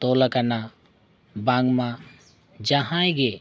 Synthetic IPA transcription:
t̪olakɐna | bãŋɡmã | d͡ʒaɦãjɡe

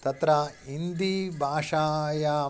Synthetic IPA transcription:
t̪ɐt̪ɾaind̪ibʱaːʂaːjaː

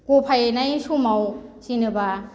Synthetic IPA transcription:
kopʰajnajsumawsinɯba

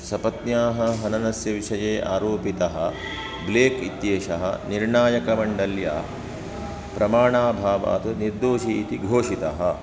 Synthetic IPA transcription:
sɐpɐt̪njaːɦɐɦɐnɐnɐsjɐʋiʃɐjeːʔaːɾoːpit̪ɐɦɐ̰̆ | bleːkit̪jeːʃɐɦɐ̰niɾɳaːjɐkɐmɐɳɖɐlja̰ː | pɾɐmaːɳaːbʱaːʋa̰ːt̪ɐniɾd̪oːʃiːt̪iɡʱoːʂit̪ɐɦɐ

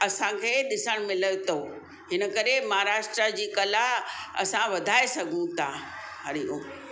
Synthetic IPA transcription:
ɐsãkʰeːɗɪsəɽ̃mɪlət̪ʰo | ɦɪnə̆kɐɾemɐɦaɾaːʃʈɾad͡ʑiːkɐlaɦɐ̰sãʋɐd̪ʱaːesɐɡʱũt̪ʰa | ɦɐɾijũ

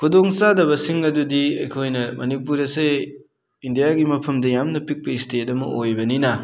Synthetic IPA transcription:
kʰudoŋsadɐβɐsiŋɐdudiɐ̰jkʰojnɐmɐnipuɾɐse | indijaɡimɐpʰɐmdɐjamnɐpik̚pɐistʰetɐmɐ̰ʔojbɐninɐ

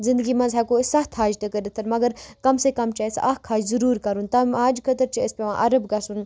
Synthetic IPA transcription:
zɪ̃nd̪əɡimɐnzɦaːkosɐɦt̪ʰɦaːd͡ʒt̪ɐkəɾet̪ʰɐɾmɐɡəɾkɐmsekɐmt͡ʃɐesɐ̰ɦkʰaːd͡ʒzɐɾuːɾkɐɾunt̪ɐmaːd͡ʒkʰɐt̪əɾt͡ʃiəspeʋã̰ːʔɐɾəbɡɐsun

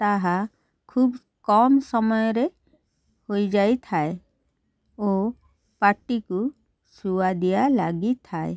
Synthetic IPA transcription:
t̪aɦa | kʰuːb | kɔmsɔmɔjɾe | hoid͡ʒaːit̪ʰae | o | paɾʈiku | suad̪ijalaɡit̪ʰaːḛ

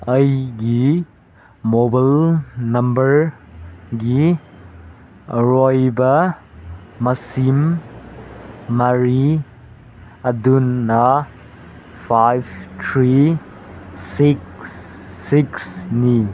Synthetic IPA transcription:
əjɡi | mobalnɐmbɐɾ | ɡi | ɾojbɐ | mɐsim | ɐɾi | ɐdunːɐ | pʰajb̚tʰɾi | siksː | iksni

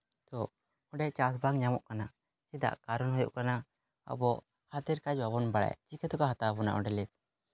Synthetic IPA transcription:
t̪ɔ | ɔɖɛʔt͡ʃas̬baŋɲamɔʔkana | t͡ʃid̪a̰ʔkaɾɔnɦɔjɔ̰ʔkana | ɔ̰bɔʔ | hat̪iɾkad͡ʒbabɔnbaɽa̰jt͡ʃikɛt̪ɔkaɦat̪abɔna̰ʔɔɖɛlip̚

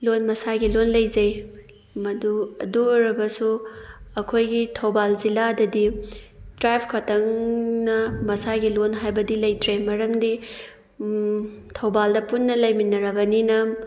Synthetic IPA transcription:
lonmɐsaɡilonlɐjzɐj | mɐduɐ̰duɾɐbɐsuɐkʰojɡitʰɐwbalziladɐdi | tɾajpʰkʰɐtɐŋnɐmɐsaɡilonɦajbɐdilɐjtɾemɐɾɐmdi | tʰɐwbaldɐpunːɐlɐjminɐɾɐbɐninɐ

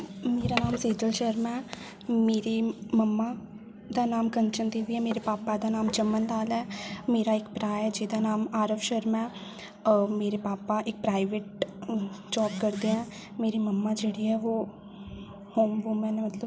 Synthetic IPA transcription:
meːɾaːnaːmseːd͡ʒəlʃəɾmɛ̃ː | meːɾeməmːaː | d̪aːnaːmkənt͡ʃənd̪iʋiɛːmeːɾepaːpad̪aːnaːmt͡ʃəmːənd̪aːlɛːmeːɾaːɪkpɾaːɛːd͡ʒeːd̪aːnaːmaːɾəʋʃəɾmɛ̃ː | meːɾepaːpaʔɪk̚pɾaːɪʋeːʈ | d͡ʒɔːpkəɾd̪ẽɛ̃ː | meːɾiməmːad͡ʒeːɽiːɛːʋoː | hoːmʋoːmɛ̃ːnemət̪ləb

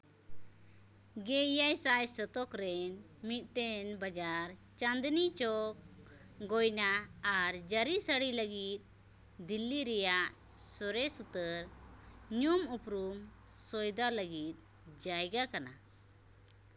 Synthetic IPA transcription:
ɡɛjajsajsɔt̪ɔkɾɛn | mit̪̚ˀʈɛnbad͡ʒaɾt͡ʃand̪nit͡ʃɔk̚ | ɡɔjnaːɾd͡ʒəɾisəɽiləɡit̪̚ˀ | d̪ilːiɾɛjaʔ | sɔɾɛsut̪əɾɲumupɾum | sɔjd̪aləɡit̪̚ˀ | d͡ʒajɡakana̰

